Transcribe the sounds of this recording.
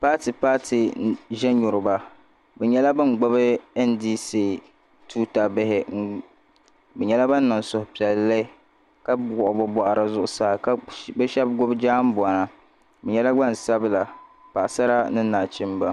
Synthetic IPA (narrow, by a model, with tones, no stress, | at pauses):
pa˦ti˨paː˦tʰi˨ʒɛ˦ɲʊ˨ɾʊ˨ba˦ | bɛ˨ɲɛ˦la˦bɨ˦ŋ˨ɡ͡bʊ˦bɨ˦ɛ˦ndiː˦si˦ | tʰuː˦ta˨bɪ˦hɪ˨˦ | bɛ˨ɲɛ˦la˦ba˦nː˦ɔ˨nsʊ˨hʊ˨pi˨ɛ˨llːɪ˦ | ka˦ɡʊ˨ʔbɔ˦bɔ˦ʔa˨ɾa˦zʊ˦ʔʊ˦saː˦˨ka˦bɨ˦ʃɛ˦bɡʊ˦bd͡ʒaː˦m˦bʊ˨a˨na˨ | bɛ˨ɲɛ˦la˦ɡ͡ba˦n˨sa˦bla˨pa˨ʔsa˦ɾa˦nɨ˦naː˨t͡ʃɪ˦mba˦